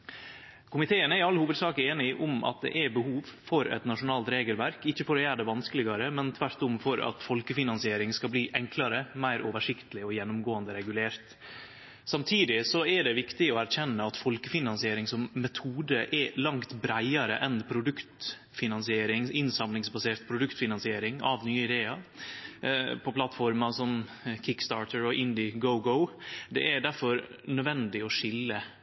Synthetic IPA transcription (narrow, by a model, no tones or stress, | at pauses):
kʰʊmɪt̪ʰeːənæɾɑlːhuːʋəd̪sɑːkəeːnɪʔʊmɑ̰t̪̚d̪ɛ̰ʔæbəhuːʋfɔɾɛ̰t̪nɑʂʊnɑːlt̪ɾeːɡəlʋæɾkɪçːəfɔɾoːjæːɖɛʋɑnskəlɪɡɑɾəmɛnt̪ʰʋæɾt̪ʊmfɔɾɑ̰t̪fɔlkəfɪnɑnsɪeːɾɪŋskɑbliːʔɛŋkʰlɑɾəmæɪɾʔoːʋəʂɪkt̪əlɪɔjɛnːʊmɡoːənd̪əɾɛɡʉleːɾt̪ | sɑmt̪ʰiːd̪ɪsɔæɖɛʋɪkt̪ɪɔæɾçɛnːəɑt̪fɔlkəfɪnɑnsɪeːɾɪŋsɔmːɛt̪ʰuːd̪əʔɛlɑŋt̪bɾæɪɑɾə̰ʔɛnpʰɾʊd̪ʉkt̪ | fɪnɑnsɪeːɾɪŋɪnsɑmlɪŋsbɑseːɾt̪pʰɾʊd̪ʉkt̪fɪnɑnsɪeːɾɪŋɑ̰ʋnyːəɪd̪eːɑɾ | pʰɔpʰlɑt̪fɔɾmɑsɔmkʰɪkst̪ɑːʈəɾɔʔɪnd̪ɪɡəʊɡəʊd̪ɛ̰ʔæɖ̪æɾfɔɾ | nœd̪ʋɛnd̪ɪɔʂɪlːə